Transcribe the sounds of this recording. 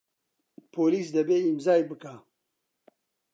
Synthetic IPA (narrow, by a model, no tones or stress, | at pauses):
pʰoːliːsd̪ɐbeːimzaːjbɨka